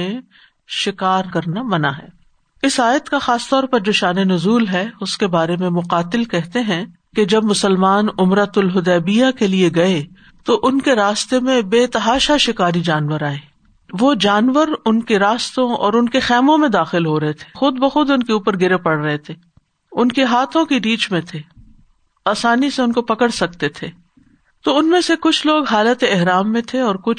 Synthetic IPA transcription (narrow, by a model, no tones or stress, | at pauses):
ẽ | ʃɪkaːɾkɐɾnamɐnaɦɛ̰ː | ɪsaːjət̪kaxaːst̪ɔːɾpɐɾd͡ʒoːʃaːnenʊzuːlɦɛʊskebaːɾemẽmʊqaːt̪ɪlkɛɦt̪eɦɛ̃ | ked͡ʒɐb̚mʊsəlmaːnʊmɾət̪ʊlɦʊd̪ɛːbijakelieɡɐe | t̪oʔʊnkeɾaːst̪emẽbeːt̪ɐɦaːʃaʃɪkaːɾid͡ʒaːnʋəɾaːẽː | ʋod͡ʒaːnʋəɾʊnkeɾaːst̪õɔːɾʊnkexɛːmõmẽd̪aːxɪlɦoɾɐɦet̪ʰe̥ːxʊd̪bɐxʊd̪ʊnkeuːpəɾɡɪɾepɐɽɾɐɦet̪ʰeː | ʊnkeɦaːt̪ʰõkiɾiːt͡ʃmẽt̪ʰeː | aːsaːniseʊnkopɐkəɽsɐk̚t̪et̪ʰeː | t̪oʊnmẽsekʊt͡ʃʰloːɡɦaːlət̪eɛɦɾaːmːẽt̪ʰeɔːɾkʊt͡ʃʰ